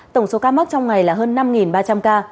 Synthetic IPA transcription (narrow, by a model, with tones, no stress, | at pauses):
t̪ə˧˩wŋ͡mso˨˦kaː˧m˦˥k̚t͡ɕɔ˧wŋ͡mŋa˨˩jlaː˨˩ɦəː˧nːa˧mŋi˨˩nɓaː˧t͡ɕa˧mkaː˧